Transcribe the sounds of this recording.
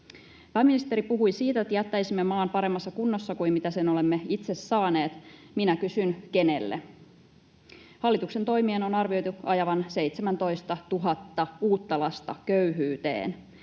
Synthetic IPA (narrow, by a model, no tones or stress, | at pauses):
pæːminist̪eɾipuɦujsiːt̪æet̪ːjæt̪ːæjsimːemɑːmpɑɾe̞mːɑsːɑkunːo̞sːɑkuimmit̪æse̞nole̞mːeit̪se̞sːɑːne̞ːt̪minækysynke̞ne̞lːḛ | hɑlːit̪ukse̞nt̪o̞jmieːno̞nɑrʋio̞jt̪uɑjɑʋɑnse̞jt̪semænt̪o̞jst̪ɑt̪uɦɑt̪ːɑuːt̪ːɑlɑst̪ɑ̰køyɦyːt̪ḛːn